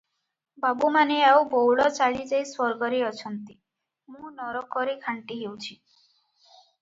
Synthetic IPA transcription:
babumaneawbowɭɔt͡ʃaɭid͡ʒajswɔɾɡɔɾiɔt͡ʃʰɔnt̪i | mũnɔɾɔkɔɾikʰaɳʈiɦewt͡ʃʰi

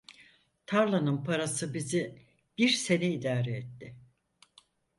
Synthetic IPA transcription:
t̪ʰaɾlˠanɯnpʰaɾasɯbizi | b̥iɾse̞nɛid̪aːɾɛːt̪ːɪ

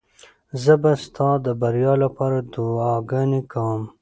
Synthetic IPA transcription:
zəbast̪ʰɑd̪əbaɾjɑlapɑːɾad̪uɑɡanikʰawm

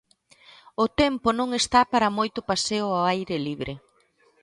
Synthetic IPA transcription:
ʊt̪ɛmpʊnõŋest̪apaɾɐmojt̪ʊpaseʊaajɾɪliβɾɪ

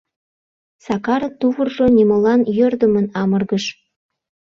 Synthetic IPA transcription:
sɑkɑɾət̪uβərʒonʲiməlɑnjørd̪əmənɑmərɣəʃ

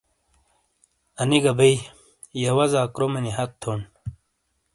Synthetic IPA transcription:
ɐniɡɐbei | jɐwɐzaːkɾomɐnihɐt̪t̪ʰːon

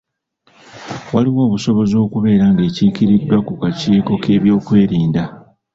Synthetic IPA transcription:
waliβo̞ːβuso̞βo̞zo̞ːkuβe̞ːɾaŋɡe̞ːciːkiɾidːwakukaciːko̞kʰe̞ːβjo̞ːkwe̞ːɾiːnda

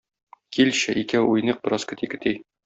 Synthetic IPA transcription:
kilɕɘʔikæujnɤq̚bɤ̆ɾɑskɘ̆t̪ikɘ̆t̪ij

